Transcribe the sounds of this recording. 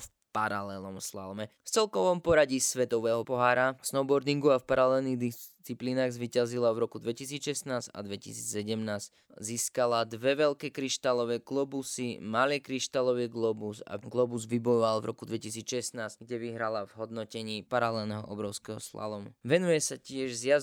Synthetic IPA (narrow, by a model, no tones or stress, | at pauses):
f | paɾalɛlnɔmsla̰lmɛft͡sɛlkɔʋɔmpɔɾaɟisʋɛt̪ɔʋɛːɦɔpɔɦaːɾasnɔbɔɾd̪iŋɡuafpaɾalɛlniːɣd̪ist͡sipliːnaːɣzʋiːcazilavɾɔkud̪ʋɛcisiːt͡sʃɛsnaːza̰d̪ʋɛcisiːt͡ssɛɟɛmnaːzc | ziːskalad̪ʋɛʋɛlkɛːkɾiʃt̪alɔʋɛːɡlɔbusimalɪɛkɾiʃt̪alɔʋɛɡlɔbusa̰ɡlɔbuzʋibɔjɔʋalvɾɔkud̪ʋɛcis̬iːt͡sʃɛsnaːz̥ɡɟɛʋiɦɾalavɦɔd̪nɔcɛɲiːpaɾalɛlnɛɦɔ̰ʔɔbɾɔʊskɛɦɔ̰sla̰lɔmṵʋɛnujɛsacɪɛʒzja